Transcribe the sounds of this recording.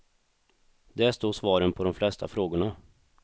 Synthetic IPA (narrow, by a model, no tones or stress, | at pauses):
d̪ɛæʂt̪oːʂvɑːɾənpʰɔd̪ɔmflɛst̪ʰafɾoːɡʊɳa